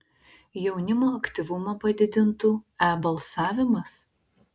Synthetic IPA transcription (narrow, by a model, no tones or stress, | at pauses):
jɛʊnʲɪmoːɐkʲt̪ʲɪʋʊmɐpɐd̪ʲɪd̪ʲɪnt̪uːæːbɐlˠsɑːʋʲɪmɐs